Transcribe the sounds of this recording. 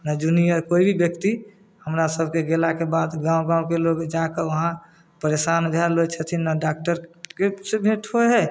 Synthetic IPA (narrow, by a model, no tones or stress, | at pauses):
nəd͡ʒunijəɾkoibʱibjəkt̪i | həmɾasəbʱkeɡelakebad̪ɡãwɡãw̃keloɡd͡ʒakəʋəɦã | pəɾesanbʱjaɾlot͡ʃʰət̪ʰinəɖak̚ʈəɾkesebʱẽʈʰoɦɛ